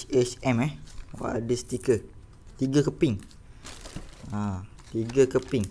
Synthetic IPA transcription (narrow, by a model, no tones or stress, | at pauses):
et͡ʃɛmɛhwa̰dist̪ikə | t̪iɡəkəpɪŋ | a | t̪iɡəkəpɪŋ